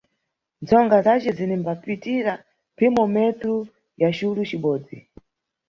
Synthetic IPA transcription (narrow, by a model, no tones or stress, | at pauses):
nd͡zɔŋɡazat͡ʃɛzinɛmbapitiɾa | pʰimɔmɛtɾu | jat͡ʃulut͡ʃiɓɔːd͡zḭ